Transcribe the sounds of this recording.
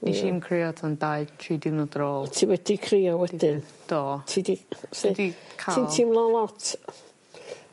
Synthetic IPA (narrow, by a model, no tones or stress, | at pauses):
niʃimkʰriɔtʰandaɨtʰriːdɪwnɔdɾɔːlˠtʰiwɛdikʰriːɔwɛd̥ɪnd̥ɔːtʰidisɛdikʰaintʰimlˠɔlˠɔtʰ